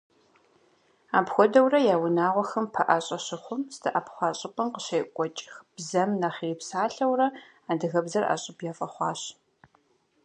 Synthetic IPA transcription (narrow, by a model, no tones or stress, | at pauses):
aːpxʷɔdɐwrɐjaːwʊnaːʁʷɔxɐmpʰɐʔaɕʼɐɕɪχʷʊmstʰɨʔɐpχʷɑːɕʼɪpʼɐmqəɕɐjkʷʼɔt͡ʃʼxb̥zɐmnaχiriːpsaːɬɐwrɐ | aːdɨɣɐbzɐra̰ːɕʼɪpʰjaːfʼɐχʷɑːɕ